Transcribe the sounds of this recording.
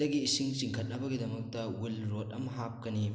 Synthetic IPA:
ɐɡiːsiŋt͡ʃiŋkʰɐt̚nɐbɐɡidɐmɐk̚tɐwilɾotɐmɦap̚kɐni

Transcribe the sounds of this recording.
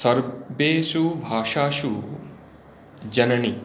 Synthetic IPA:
sɐɾbeːʃubʱaːʂaːʃu | d͡ʒɐnɐni

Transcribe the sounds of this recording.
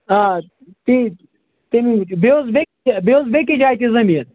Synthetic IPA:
a | t̪i | t̪emibeozbe | beozbekid͡ʒaːjt̪izɐmijɐt̪

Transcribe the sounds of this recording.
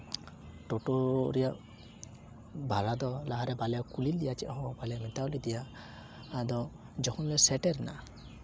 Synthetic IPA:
ʈoʈoɾija | bʱaɾad̪ɔlaɦaɾɛbalɛakulild̪ijat͡ʃḭʔɦɔbalɛjamit̪aɔlid̪ijaː | d̪ɔ | d͡ʒɔkʰɔnlɛsɛʈɛɾna̰

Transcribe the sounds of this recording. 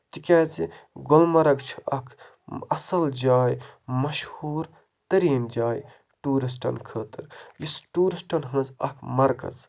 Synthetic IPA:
t̪ikʲaːt͡siɡolmɐɾɐkt͡ʃʰi̥ɐkʰ | ɐsɐld͡ʒaːjmɐʃhuːɾ | t̪ɐɾiːnd͡ʒaːj | ʈuːɾis̬ʈɐ̰nkʰəːt̪ɨɾjisʈuːɾisʈɐnɦə̃nzɐkʰmɐɾkɐ̰z

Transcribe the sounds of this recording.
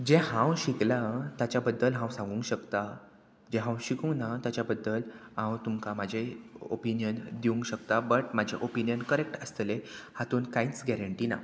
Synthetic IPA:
d͡ʑẽɦãwɕiklat̪jat͡ɕjabəd̪ːəlɦãwsãŋɡũːŋkɕəkt̪a | d͡ʑẽɦãwɕikũŋɡnat̪jat͡ɕjabəd̪ːəlɦãwt̪umkamad͡ʑʱeo̰pinjənd̪iũŋkɕəkt̪abəʈ̚mad͡ʑʱeʔopinjənkəɾek̚ʈəst̪lehat̪uːnkãit͡sɡɛɾəɳʈiːna̰

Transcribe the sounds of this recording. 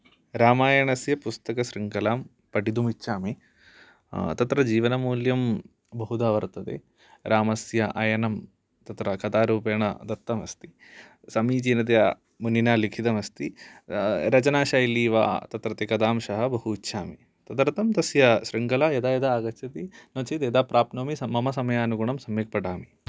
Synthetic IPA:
ɾaːmaːjɐɳɐsjɐpust̪ɐkɐʃɾiŋkɐlaːm | pɐʈid̪umitːʃʰaːme | t̪ɐt̪ɾɐd͡ʒiːʋɐnɐmuːljɐm | bɐɦud̪aːʋɐɾt̪ɐt̪ḛː | ɾʔaːmɐsjɐʔajɐnɐm | t̪ɐt̪ɾɐkɐt̪aːɾuːpeːɳɐ̰d̪ɐɾt̪ːɐmɐst̪i̥ | sɐmiːt͡ʃinɐt̪̬ɐjɐ | munːinaːlikʰit̪ɐmɐst̪i | ɾɐt͡ʃɐnaːʃaːjiliːʋa̰ːt̪ɐt̪ɾɐt̪ekɐd̪aːmʃɐɦɐ̆bɐɦuitːʃʰaːmi | t̪ɐd̪ɐɾt̪ɐmt̪ɐsjɐʃɾiŋkɐlajɐd̪aːjɐd̪ɐaːɡɐt͡ʃɐt̪inoːt͡ʃid̪eːd̪aːpɾaːpnoːmisɐmɐmɐsɐmɐjaːɐnuɡuɳɐmsɐmjik̚pɐʈaːmi

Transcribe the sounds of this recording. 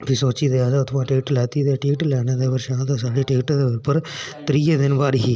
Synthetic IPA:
bʰisoːt͡ʃiːd̪eːaːd̪aːʊt̪ʰʋãːʈeːʈlɛːt̪iːd̪eːʈeːʈlɛːɽ̃eːd̪eːbəɾʃãːt̪aːsaːɽiːʈeːʈːd̪eːʊɾpəɾt̪ɾiːjeːd̪ɪnbaːɾiːɦiː

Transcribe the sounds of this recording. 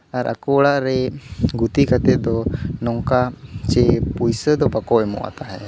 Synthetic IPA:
aɾʔa̰kɔɽaʔɾɛɡut̪ikʰat̪ɛd̪ɔnɔŋkat͡ʃɛpujsəd̪ɔbakɔʔɛmɔ̰ʔa̰t̪aɦɛ

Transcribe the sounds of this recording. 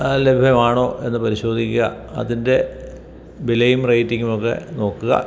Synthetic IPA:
lebʱjɐmaːɳo̞ːʔe̞nːɨpɐɾiɕo̞ːd̪ʱikʲːuɣɐ̰ | ɐ̰ðinde̞ | bilejumrɐjtːiŋɡumokːe̞̰no̞ːkːuɣɐ̰

